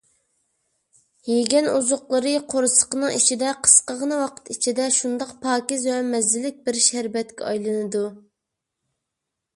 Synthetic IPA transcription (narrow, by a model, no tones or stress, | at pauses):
jeɡʲɛnuzʊqlˠəɾɨqʰoɾɨsə̥qənɨŋit͡ʃʰid̪ɛqʰə̥sqəʁənɨwɑqʰə̥t̪it͡ʃʰid̪ɛʃund̪ɑqpʰɑːkʲizwɛmɛzɪlɪk̚ʲbɪɾʃæɾbɛt̪kʲɛ̰ɑjlˠɨnɨd̪u